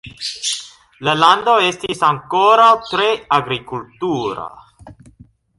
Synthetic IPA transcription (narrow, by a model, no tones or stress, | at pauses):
laland̪o̞e̞stisaŋko̞ɾawt̪ɾe̞aɡɾikultuɾa̰